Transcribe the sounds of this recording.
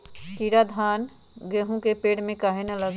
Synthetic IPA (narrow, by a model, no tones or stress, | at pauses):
kiɾad̪ʱaːn | ɡeːɦũkepeːɽmẽkaːɦenɐlɐɡ